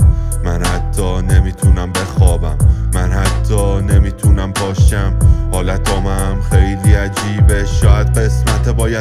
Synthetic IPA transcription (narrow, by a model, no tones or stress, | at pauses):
mænhæt̪ʰːɒːne̞miːt̪ʰuːnæmbe̞xɒːbæmːænhæt̪ʰːɒːne̞miːt̪ʰuːnæmpʰɒːʃæmhɒːlæt̪ʰɒːmæmxejliːæd͡ʒiːbeʃʃɒːʔæd̪ɢe̞smæt̪ʰebɒːjæ